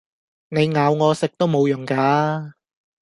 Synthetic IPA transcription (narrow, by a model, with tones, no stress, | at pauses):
ne˨˧jŋaː˨˧wŋɔː˨˧sɪ˨k̚t̪o˥wmo˨˧wjʊ˨˩ŋkaː˨˧